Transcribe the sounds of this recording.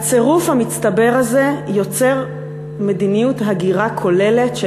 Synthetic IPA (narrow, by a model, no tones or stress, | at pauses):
at͡se̞ʁufhamit͡st̪abe̞ʁaze̞jo̞t͡se̞ʁ | me̞dinijutɦaɡiʁakʰo̞le̞le̞tʃ